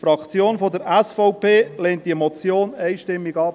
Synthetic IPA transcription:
fɾɑkt͡sjoːnfodəɾɛsfɔʊpeːlɛnt̚d̥iɛmɔt͡sjoːnɛɪʃtɪmːiɡɑ

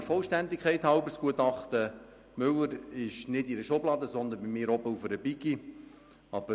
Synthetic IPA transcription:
fɔlʃtændikʰχɛɪt̪hɑʊbəskuət̪ɑχt̪ə | mʏləɾɪʃnɪdidəʃoblɑːd̪əsɔnd̪ənbimɪːɾɔbəufəɾəbiɡi | ɑb̥ə

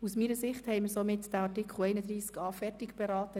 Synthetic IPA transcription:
usmiːɾəsɪχthɛɪməɾsomɪtd̥æɑɾtɪkʰl̩ɛɪnəd̪ɾiːskɑːfɛɾtɪkb̥ɛɾɑːtə

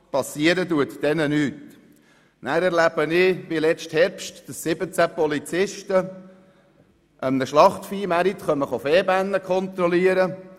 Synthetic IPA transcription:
pɑsiəɾətuətd̥ɛnənyːt | næːɾɛɾlæb̥ənɪʋilɛt͡sthɛɾpʃtd̥əsːɪbət͡sæpɔlit͡sɪʃtə | ʔəmnəʃlɑχtfiːmæɾit̪χœməχɔfɛːbænːəkχɔnt̪ɾɔliəɾə

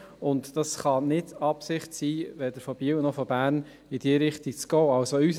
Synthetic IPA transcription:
ʊntd̥ɑsχɑnɪdɑpsɪχtsiːʋɛd̪əɾfɔb̥iəwnɔfɔbæːɾn | ɪdiːɾɪχtit͡sɡ̥ɔːɑlsoys

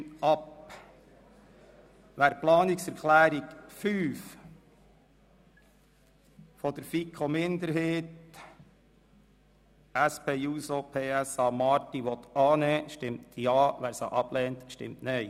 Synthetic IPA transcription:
ɑp | ʋæːɾplɑːnɪksɛɾkʰlæːɾiɡfyːf | fɔd̪əɾfikʰomɪnd̪əɾheːt̪ | æspʰeːuːsopʰeːæsɑːmɑːɾtiʋɔt̪ɑːnɛːʃtɪmt̪ʰjɑːʋæːɾsɑʔɑb̥lɛːnt̪ʃtɪ̰mtnœɪ

